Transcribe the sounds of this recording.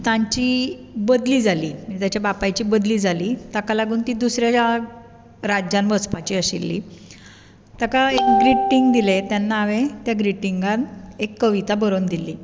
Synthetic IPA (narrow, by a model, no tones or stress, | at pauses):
t̪ãɲt͡ɕiːbəd̪liːd͡zʱaliːməɾit̪jat͡ɕjabapajt͡ɕiːbəd̪liːd͡zʱaliːt̪akalaɡuːnt̪iːd̪usɾjaa | ɾad͡ʑanbət͡spat͡ɕiːəɕilːḭː | t̪akaekɡɾiʈiŋɡd̪ilet̪janːaːʋet̪jaɡɾiʈiŋɡãt̪ekːəʋit̪abəɾoːnd̪ilːiː